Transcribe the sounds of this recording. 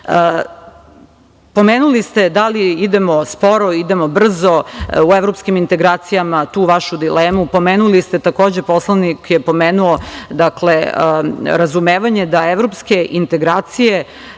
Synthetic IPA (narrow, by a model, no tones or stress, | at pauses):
ə | po̞meːnulist̪e̞d̪aliid̪emo̞spo̞ɾoid̪emobr̩zoueʋɾopskimint̪eɡɾaːt̪sijamat̪uːʋaʃud̪ileːmupo̞meːnulist̪e̞t̪ako̞ːd͡ʑe̞po̞slˠanikjepo̞meːnuod̪akle | ɾazumeːʋaɲe̞d̪aeʋɾopske̞ʔint̪e̞ɡɾaːt̪sije̞